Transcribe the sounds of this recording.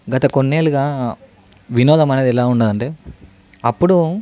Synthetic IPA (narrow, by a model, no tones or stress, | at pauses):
ɡɐt̪ɐkonːeːluɡaː | ʋinɔːd̪ɐmɐneːd̪ɛlaːuɳɖaːd̪ɐɳʈeː | ɐpːuɽu